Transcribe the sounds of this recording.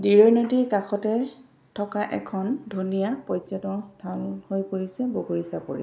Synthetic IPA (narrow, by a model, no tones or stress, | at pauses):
diɹɔjnodikakʰɔtɛ | tʰɔkaʔɛkʰɔndʱunijapɔjzɔtɔstʰanhojpoɹisɛboɡoɹisapoɹḭ